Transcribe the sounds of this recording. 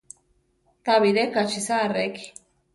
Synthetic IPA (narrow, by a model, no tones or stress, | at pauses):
t̪aβidekat͡ʃisaːreki̥